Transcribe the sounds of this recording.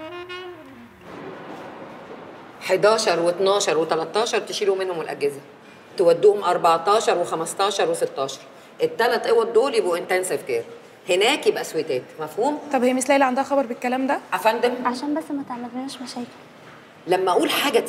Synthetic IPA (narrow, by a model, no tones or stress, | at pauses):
ħed̪æːʃɑɾˤwet̪nɑːʃɑɾˤwet̪ælæt̪ˤːɑːʃɑɾˤt̪eʃiːlumenhomwelʔæ̰ɡːezæ | t̪ewæd̪ːuːhomʔɑɾˤbɑʕt̪ˤɑːʃɑɾˤwexæmæst̪ɑːʃɑɾˤweset̪ːɑːʃɑ̥ɾˤ | ʔet̪ːælæt̪ˤʔewːæd̪oːljebʔuʔent̪ænsefkeːɾ | henæːkjebʔæswet̪æːt̪mæfhuːmt̪ˤɑbhejæmeslæʔlæʕand̪æhæxɑbɑɾˤbekːælæːmd̪æʔafænd̪æmʕaʃæːnbæsːmæt̪eʕmælːnæːʃmæʃæːke̥l | læmːæʔuːlħaːɡæ